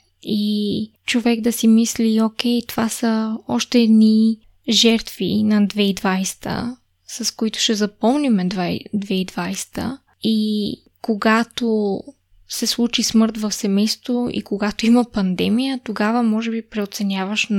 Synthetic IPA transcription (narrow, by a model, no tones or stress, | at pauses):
i | t͡ʃovɛɡd̪ɐsimisliok̟ʲɛjt̪ovasəɔʃt̪ɛːd̪ni | ʒɛɾt̪vḭnɐd̪vɛid̪vajst̪ʰə̰ | sɐskoit̪ʊ̥ʃɛzɐpɔmnimɛd̪vad̪vɛid̪vajst̪ə̰ | i | koɡat̪o | sɛslˠut͡ʃismɤɾt̪vɐfsɛmɛjst̪voḭkoɡat̪oimɐpɐnd̪ɛmijət̪oɡavəmɔʒɛbipɾɛot̪sɛnʲjavəʃ